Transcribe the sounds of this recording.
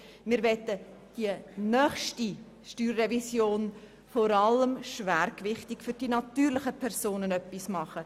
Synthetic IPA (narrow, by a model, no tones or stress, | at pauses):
mɪːɾvɛt̪ːə | d̥iənœχʃti | ʃtyːrːɛvisjoːn | fɔɾɑləmʃvæːɾkvɪχtɪkfʏɾd̥inɑtyːɾlɪχəpʰɛɾsoːnənœpːismɑχə